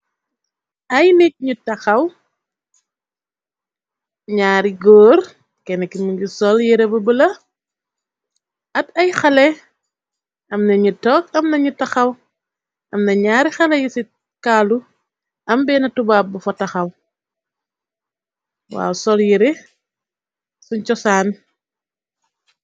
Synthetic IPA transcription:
ɐjnik̚ɲutɐxɐw | ɲaːɾiɡɔːr | kɛnɐkːinmuɟusɔljiɾɛbɐbəlɐ | ʔɐtɐjxɐlɛ | ʔɐmnɐɲutɔkɐmnɐɲutɐxɐw | ʔɐmnɐɲaːɾixɐlɛjisi | kaːlu | ʔɐmbɛnɐtubaːbɐfɔtɐxɐw | wa̰ːwsɔljiɾɛ | suɲt͡ʃɔsaːn

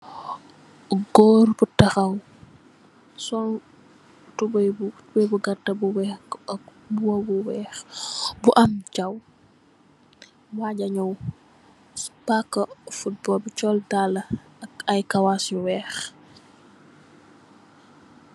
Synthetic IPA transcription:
ɡɔːrbutɐxɐw | sɔn | tubɐjbtubɛjbuɡɐtːɐbuwɛɐk | buwɐbuwɛːxbuʔɐmd͡ʒɐw | waɟɐɲɔw | pakːɐfut̚bɔbut͡ʃɔldalɐ | ɐjkɐwasuwɛːx

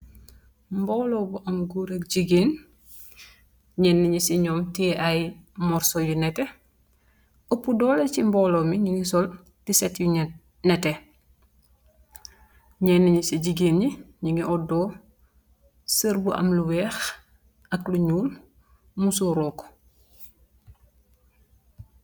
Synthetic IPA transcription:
mbɔːlɔbuʔɐmɡuɾəkɟiɡeːn | ɲɛnːiɲisiɲɔːmtiɛʔajmɔɾsojunɛtɛ | opːudɔːlecimbɔːlomiɲiŋisɔl | tisɛtju | nɛtɛ | ɲɛnːiɲisiɟiɡeːnɲiɲiŋiʔɔdɔː | səɾbuʔɐ̰mluwɛːx | ɐkluɲuːl | musoɾɔːk

